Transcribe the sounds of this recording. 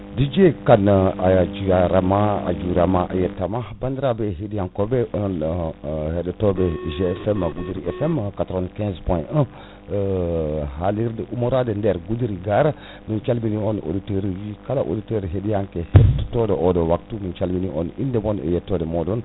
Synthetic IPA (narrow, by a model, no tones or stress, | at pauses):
did͡ʒekanaad͡ʒujaɾamaa̰d͡ʒuɾamaʔa̰jetːamabandiɾabeɦedijaŋkobeon | hedtobeʒefɛmaɡudɾiʔefɛmkatɾankɛ̃zpõə̃ | ɦaliɾdəʔumoɾadendeɾɡudɾiɡaɾa | mint͡ʃalminiono̰diteɾid͡ʒikalaʔo̰diteɾɦedijaŋkehettodeʔodowak̚tumint͡ʃalbiniʔo̰nindebonḛjetːodemodon